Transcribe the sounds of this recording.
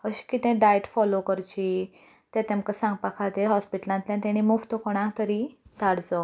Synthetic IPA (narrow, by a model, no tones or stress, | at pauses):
əɕi̥kit̪ɛ̃ɖajʈfɔlokəɾt͡ɕi | t̪ɛ̃t̪ɛ̃mkəsãŋɡ̚pakʰat̪eɦɔspiʈlãnt̪ljãt̪ãnimuft̪okoɽ̃ãkt̪əɾid̪ʱaɽd͡zɔ